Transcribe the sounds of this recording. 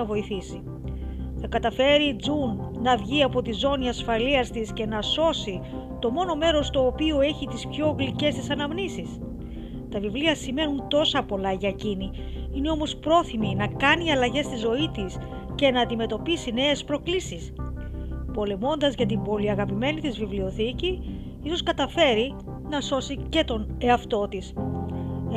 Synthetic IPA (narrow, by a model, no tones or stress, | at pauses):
ɐvo̞iθisi | θɐkɐt̪ɐfe̞ɾiːd͡zunnɐvʝiɐpo̞t̪izo̞niɐsfɐliɐst̪isce̞nɐso̞si | t̪o̞mo̞no̞me̞ɾo̞st̪oːpioe̞çit̪ispço̞ːɣlice̞st̪isɐnɐmnisis | t̪ɐvivliɐsime̞nunt̪o̞sɐpo̞lɐʝɐcini | ine̞o̞mo̞spɾo̞θiminɐkɐniɐlɐʝe̞st̪izo̞it̪is | ce̞nɐːnd̪ime̞t̪o̞pisine̞espɾo̞klisis | po̞le̞mo̞nd̪ɐzʝɐt̪ibo̞liɐɣɐpime̞nit̪izvivlio̞θici | iso̞skɐt̪ɐfe̞ɾi | nɐso̞sice̞t̪o̞ne̞ɐft̪o̞t̪is